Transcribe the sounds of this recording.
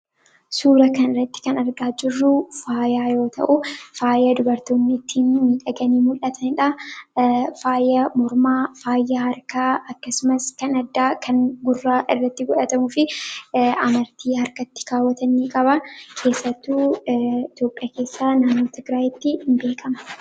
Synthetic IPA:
suːɾɐkɐnɪrːɐt̪ːɪ̥kɐnɐɾɡaːd͡ʒɪrːʊfaːjaːjo̞ːt̪ʰɐ̰ʔʊfaːjɐd̪ʊbɐɾt̪oːnːɪɪt̪ʰːiːnmiːᶑɐɡɐniːmʊlʔɐt̪ʰɐnɪᶑɐ | faːjɐmɔɾmaːfaːjːɐhɐɾkaɐkːɐsʊmɐskɐnɐd̪ːaːkʰɐŋɡʊrːaːʔɪrːɐt̪ːɪɡɔᶑɐt̪ɐmʊfɪ | ɐmɐɾt̪ʰiːhɐɾkɐt̪ːɪ̥kaːwːɐt̪ɐniːkʼɐbɐkʰe̞ːsːɐt̪ːuːɪt̪jo̞ːpʼːɪjaːke̞ːsːaːnaːnːoːt̪ɪɡɾaːjɪt̪ːɪhɪnbe̞ːkʼɐmɐ̥

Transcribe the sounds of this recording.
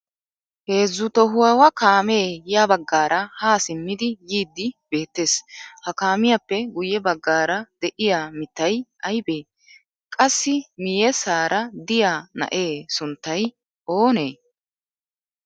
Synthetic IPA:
he̞ːzːʊt̪ɔɦʊwɐwɐkaːme̞ːjaːbɐɡːaːɾɐhaːsɪmːɪd̪ɪjiːd̪ːɪb̥e̞ːt̪ːe̞ːshɐkaːmɪjapːɛɡʊjːɛbɐɡːaːɾɐd̪̥ɛʔɪjaːmɪt̪ːɐjɐjbe̞ː | kʼɐsːɪmɪjɛsaːɾʔɐd̪ɪjaːnɐ̰ʔe̞ːsʊnt̪ːɐj | ʔo̞ːne̞ː

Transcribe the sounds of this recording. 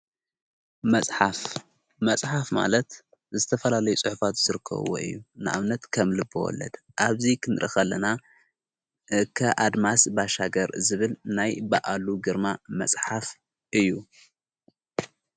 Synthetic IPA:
mɐsʼħaf | mɐsʼħafma̰lɐt̪ | zɨt̪ʰɐfɐlalɐjut͡sʼɨħʊfat̪z̥ɨɾɨkʰːɐ̰βo̰ʔɨ̰jːunɨʔa̰βnɐt̪kʰɐmlɨbɨ̰wɔ̰lːɐ̰d̪̥ | ʔaβzikʰɨnɨɾʔɐ̰xɐlːɐna | kʰɐʔad̪masbaʃaɡɐɾzɨβɨlnajbaʔaluɡɨɾmamɐ̰sʼħaf | ʔɨjːu

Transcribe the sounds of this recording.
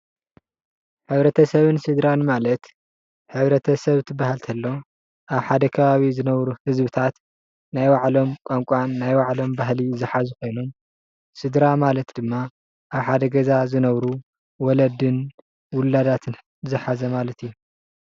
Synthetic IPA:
ħɨβɾɐt̪ʰɐsɐβɨnsɨd̪ɾanmalɐt̪ | ħɨβɾɐt̪ʰɐsɐβt̪ʰɨbːahalt̪ʰɐlːo̞ | ʔaβħad̪ɐkʰɐβaβizɨnɐβɾuhɨzbɨt̪ʰat̪ | najwaʕlo̞mkʷʼaŋkʷʼanːajwaʕlo̞mbaɦlizɨħazɨko̞jnom | sɨd̪ɾamalɐt̪d̪̥ɨmːa | ʔaβħad̪ɐɡɐzazɨnɐβɾu | wɔlɐd̪ɨn | wʊlad̪at̪ʰɨn | zɨħazɐmalɐt̪ijːu

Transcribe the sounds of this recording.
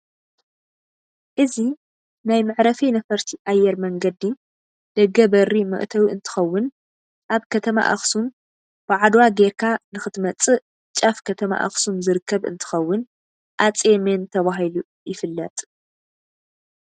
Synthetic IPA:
ʔɨzi | najmɨʕɾɐfinɐfɐɾt̪ʰiʔajːɛɾmɐŋɡɐd̪i | d̪̥ɐɡɐbɐrimɨ̰ʔt̪ʰɐwɨnt̪ʰɨ̥xɐwːʊn | ʔaβkʰɐt̪ʰɐma̰ʔa̰xsum | b̥ɨʕad̪waɡeɾkʰanɨxɨt̪ʰmɐt͡sʼɨ | t͡ʃʼɐfkʰɐt̪ʰɐma̰ʔa̰xsumzɨɾɨkʰːɐβɨ̰nt̪ʰɨ̥xɐwːʊn | ʔat͡sʼement̪ʰɐβaɦilu | jɪfɨlːɐt̪ʼ

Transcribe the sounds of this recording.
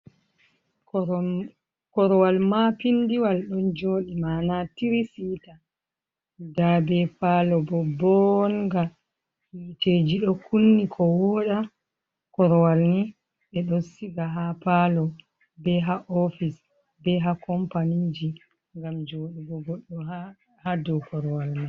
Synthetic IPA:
kɔɾɔwalmapindiwalɗɔnd͡ʒoːɗimanatiɾisita | dabɛpalɔbɔbɔnɡa | hiːteːd͡ʒiɗɔkunːikʰɔwɔːɗa | kɔɾɔwalni | ɓɛɗɔnsiɡaɦapalɔ | bɛɦaʔɔfis | bɛɦakɔmpanid͡ʒi | ŋɡamd͡ʒoːɗibɔɡɔɗːɔɦa | hadɔkɔɾɔwalma

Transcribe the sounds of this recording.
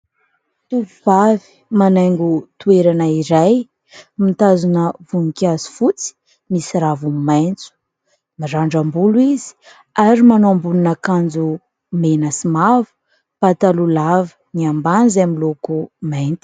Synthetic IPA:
t̪uvuv̥avi̥manajŋɡut̪ueɾanaiɾaj | mit̪azunəvunikʲazi̥fut͡si̥ | misiɾavummajnt͡su̥ | miɾaɳɖ͡ʐambuluizi̥ | aɾimanoambununakand͡zu | menəsimavə̥ | pat̪alulavəniamband͡zamilokumajnt̪i̥

